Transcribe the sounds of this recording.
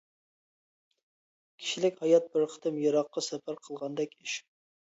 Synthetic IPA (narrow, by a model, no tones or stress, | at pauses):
kʲʰi̥ʃilɪkʲhɑjɑt̪̚bɪɾqʰə̥t̪ʰɨmjɑɾɑqːɑsɛpʰæɾqʰəlˠʁɑnd̪ɛkʲiʃ